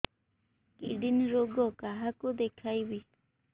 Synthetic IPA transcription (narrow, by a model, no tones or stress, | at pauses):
kḭɖinɾoɡɔkaɦakod̪ekʰajwi